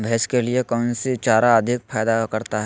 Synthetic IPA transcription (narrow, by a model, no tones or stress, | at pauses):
bʱɛːskeliekɔːnsit͡ʃaːɾaɐd̪ʱɪk̚fʰaːd̪akɐɾt̪aɦɛ